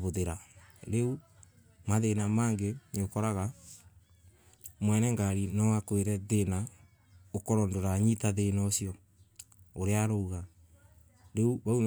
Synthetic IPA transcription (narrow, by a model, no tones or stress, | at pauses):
βoðeɾaɾeu | maðenamaːŋɡeneokɔɾaɣa | mwɛnɛŋɡaɾinɔwakweɾɛðena | okɔɾɔndoɾaɲitaðenɔsiɔ | oɾeaɾouɣa | ɾeuβaun